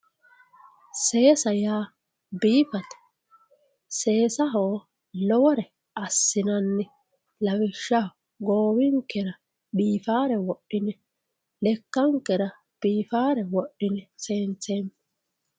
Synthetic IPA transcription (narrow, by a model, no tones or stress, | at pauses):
se̞ːsɐjaː | biːfɐt̪ɐ̥ | se̞ːsɐɦoː | lɔwɔɾɛ | ɐsːɪnɐnːɛ | lɐwɪʃːɐh | ɡoːwɪŋkːɛɾɐ | biːfaːɾɛwɔɗːɪnɛ | lɛkːɐŋkːɛɾɐ | b̥iːfaːɾɛwɔɗːɪnɛseːnt͡seːmː